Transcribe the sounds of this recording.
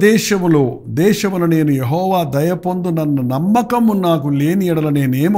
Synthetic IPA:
d̪ɛːʃɐmuloː | d̪ɛːʃɐmulɐne̞ːnujeɦɔːʋaːd̪ɐjɐpond̪unɐnːɐnɐmːɐkɐmːunaːkule̞ːniiɽɐlɐneːneːmu

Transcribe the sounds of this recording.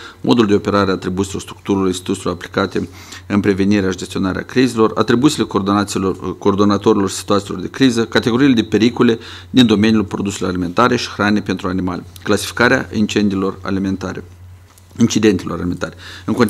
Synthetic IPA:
mʔo̞̰d̪uld̪eo̞pe̞ɾaɾeat̪ɾibut̪silo̞rst̪ɾuk̚t̪uɾilorist̪it̪ut̪ilo̞rapli̥kat̪e̞ | ɨmpɾe̞ve̞niɾead͡ʒe̞st̪io̞naɾea̰kɾizelo̞ra̰t̪ɾibut̪sile̞ | koːrd̪o̞nat̪o̞ɾilo̞rsi̥t̪uat̪silo̞rd̪e̞kɾizəkat̪eɡo̞ɾile̞d̪e̞pe̞ɾikole̞ | d̪ind̪o̞me̞nijulpɾo̞d̪use̞lo̞ralime̞nt̪aɾe̞ʃi̥xɾanepe̞nt̪ɾuanima̰lʲeklasi̥fi̥kaɾea̰ʔint͡ʃend̪ilo̞ra̰lmet̪aɾḛ | int͡ʃid̪e̞nt̪iloɾa̰lime̞nt̪aɾeɨŋkon

